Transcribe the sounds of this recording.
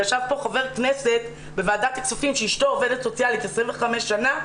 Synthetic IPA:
aʃavpo̞χove̞ʁknese̞t̪ | bevaːd̪at̪iksofimʃeiʃtoovedet̪sot͡sjalikesʁimveχameʃːana

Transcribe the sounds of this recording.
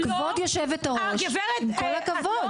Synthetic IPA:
kavod̪joʃɛvet̪aʁoʃmkolakavod̪

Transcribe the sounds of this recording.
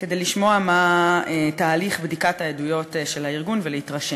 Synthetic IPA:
ke̞dejliʃmo̞amaetaːliχbdikatajedujo̞tʃelhaiʁɡunveleitʁaʃe

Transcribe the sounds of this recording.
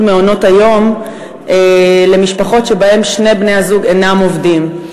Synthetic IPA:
meono̞tajo̞m | ele̞miʃpaχo̞tʃebae̞mʃne̞jbne̞jazuɡenamovdim

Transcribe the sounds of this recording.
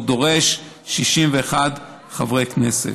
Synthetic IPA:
do̞ʁe̞ʃ | ʃiʃimveːχad | χavʁeknesḛ

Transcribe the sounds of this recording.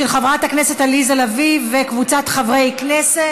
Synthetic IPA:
elχavʁataknese̞talizalavivːekvut͡satχavʁejknese

